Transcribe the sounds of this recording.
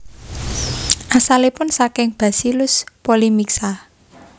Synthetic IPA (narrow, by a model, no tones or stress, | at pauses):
ʔasalepʊnsakɪŋb̥a̤silʊspolimiksa